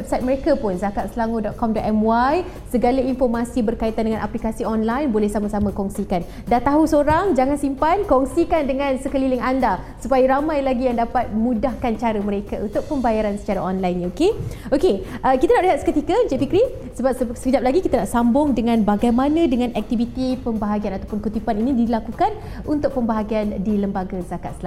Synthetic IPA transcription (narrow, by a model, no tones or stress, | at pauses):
wɛp̚sajt̪̚məɾekapʊnzakat̪səlaŋodɔt̪̚kɔmdɔʔ̪ɛmwaj | səɡalainfɔrmasibərkait̪andəŋãnʔaplikasiɔnlajnbolɛhsamasamãkɔŋsikan | dat̪aɦusoɾaŋd͡ʒaŋansimpankɔŋsikandəŋãnsəkəlilɪŋandasupajaɾamãjlaɡijaŋdapat̪̚mũdahkant͡ʃaɾəməɾekaunt̪ʊk̚pəmbajaɾansə̥t͡ʃaɾaʔɔnlajnokeokeʔəkit̪anaʔ̚pliɦat̪̚skət̪ikad͡ʒefikɾi | səbap̚ssəkəd͡ʒap̚laɡikit̪anaʔsambʊŋdəŋãnbaɡajmanãdəŋãnʔɛk̚t̪ivit̪ipəmbaɦaɡianat̪awpʊnkut̪ipaninidilakukan | unt̪ʊk̚pəmbaɦaɡiandiləmbaɡazakat̪səla